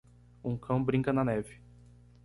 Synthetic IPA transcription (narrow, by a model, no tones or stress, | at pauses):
ũkʰɐ̃w̃bɾĩkɐnɐnɛvɪ